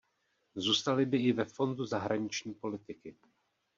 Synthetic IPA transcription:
zuːst̪alɪbɪʔɪvɛfo̞nduzaɦɾaɲɪt͡ʃɲiːpo̞lɪt̪ɪkɪ

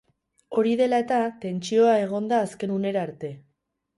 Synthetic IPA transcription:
o̞ɾið̞e̞lae̞t̪at̪e̞nt͡ʃio̞ae̞ɣ̞o̞nd̪aːske̞nune̞ɾaːɾt̪e̞

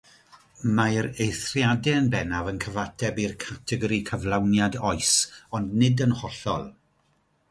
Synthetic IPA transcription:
maɾejθrjadɛənbɛnavənkʰəvatʰɛbirkʰatʰɛɡɔɾikʰəvlˠawnjadɔɨsɔndnɪdənhɔɬɔ̰lˠ

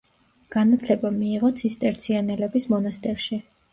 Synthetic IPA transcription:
ɡ̥anat̪ʰlɛbamiːʁɔt̪sʰist̪ʼɛɾt̪sʰianɛlɛbismɔnast̪ʼɛɾʃi

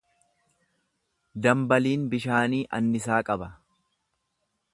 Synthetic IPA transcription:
d̪ɐmbɐliːnbɪʃaːniːʔɐ̰nːɪsaːkʼɐbɐ

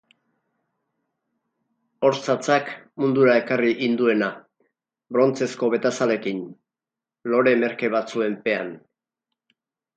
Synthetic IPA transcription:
o̞ɾt͡sat͡sakmund̪uɾae̞kariʔind̪ue̞na | bɾo̞nt͡se̞sko̞βe̞t̪asale̞kin | lo̞ɾe̞me̞ɾke̞β̞at͡sue̞mpe̞an

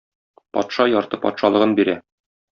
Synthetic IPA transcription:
pɒ̰t̪ʃɑjɒɾt̪ɤpɒ̰t̪ʃɑlˠɤ̆ʁɤnbiɾæ

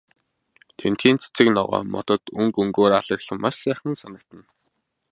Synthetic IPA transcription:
t̪ʰen̥t̪xiːnt͡sʰe̥t͡sɘ̆knɔʁɔ̰ːmɔ̰t̪ɞ̆t̪ɵŋkɵŋɡoːɾaɮə̆ɣɮə̆mmːaʃsæːχə̆nsanə̆k̚t̪ə̆n

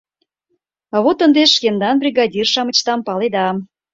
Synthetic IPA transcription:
ɑβot̪ənd̪eʃkend̪ɑnbrʲiɣɑdʲirʃɑmə̆t͡ɕt̪ɑmpɑled̪ɑm

